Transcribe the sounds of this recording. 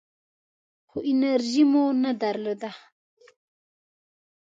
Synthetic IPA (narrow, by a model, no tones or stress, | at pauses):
xoʔinaɾʒimonad̪aɾlod̪a